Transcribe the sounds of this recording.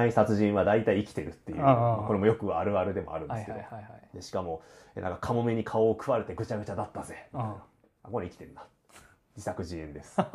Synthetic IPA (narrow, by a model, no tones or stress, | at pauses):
aisat͡sɨʑĩɰ̃βad̪ait̪aiːkʲi̥t̪e̞ɾɯ̟t̪ːejɯ̰mako̞ɾe̞mojokɯ̟aɾɯ̟aɾɯd̪e̞mo̞a̰ɾɯ̟̃neskeod̪eɕi̥kamo̞enã̰ŋkakʰamo̞me̞ɲ̟ikʰaoːkɯ̟βaɾet̪eɡɯ̟t͡ɕaɡɯ̟t͡ɕad̪at̪ːazemian | akoɾeikʲi̥t̪ẽ̞nːḁ | d͡ʑisakɯ̟ʑiẽ̞nd̪e̞sɨ̥